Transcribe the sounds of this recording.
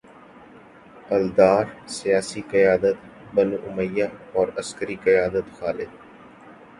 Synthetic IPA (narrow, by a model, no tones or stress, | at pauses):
əld̪aːɾsɪjaːsiːkəjaːd̪ət̪ | bənuːʔʊməjːaːɔːɾəskəɾiːkəjaːd̪ət̪xaːlɪd̪